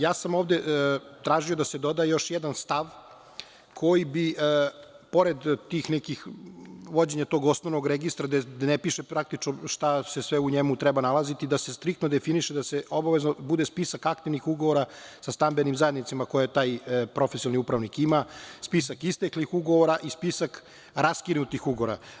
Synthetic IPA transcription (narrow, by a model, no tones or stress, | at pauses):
jaːsamo̞ːʋd̪et̪ɾaːʒio̞d̪ased̪od̪ajejo̞ʃjɛd̪anst̪aʋ | kʰo̞jibi | po̞ɾed̪t̪iːxnɛkixʋo̞d͡ʑeɲat̪o̞ːɡo̞snoʋnoɡɾeɡist̪ɾad̪ed̪nepiʃepɾak̚t̪it͡ʃnoʃt̪ase̞sʋeuɲemut̪ɾɛbanalazit̪id̪asest̪ɾik̚t̪nod̪efiniʃed̪aseobaʋe̞znobud̪espisakak̚t̪iʋnixuɡoʋoɾasast̪ambenimzajed̪nit̪simako̞jet̪aːjpɾo̞fesiolniupɾaʋnikimaspisakist̪eklixuɡoʋoɾaʔispisak | ɾaskinut̪ixuɡoɾa̰